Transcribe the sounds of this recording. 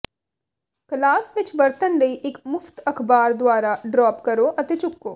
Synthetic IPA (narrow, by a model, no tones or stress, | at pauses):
klaːsʋɪt͡ʃbɐɾt̪ənɾɐiʔɪkmʊft̪ɐkʰbaːɾd̪waːɾaɖɾɔːpkɐɾoʔɐt̪et͡ʃʊkːoː